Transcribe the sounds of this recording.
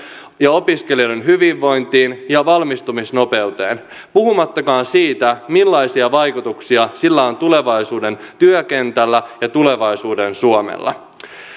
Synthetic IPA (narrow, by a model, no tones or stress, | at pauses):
jɑo̞piske̞liodonɦyʋiʋːo̞jnt̪iːnjɑʋɑlmist̪umisno̞pe̞ut̪e̞̰ːn | puɦumɑt̪ːɑkɑːnsiːt̪æmilːɑisiɑʋɑjkut̪uksiɑsilːæo̞nt̪ule̞ʋɑjsuːde̞nt̪yøke̞nt̪ælːæjɑt̪ule̞ʋɑjsuːdensuomḛlːɑ̰